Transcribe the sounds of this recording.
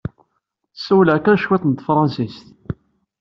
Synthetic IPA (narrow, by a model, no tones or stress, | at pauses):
sæwlʕkæɾʃwɪt̪ˤənt̪fɾˤɑnsist̪